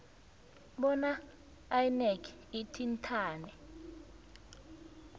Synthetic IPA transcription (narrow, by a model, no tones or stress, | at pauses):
ɓɔnaː | jnɛkʰ | itʰintʰaːnɛ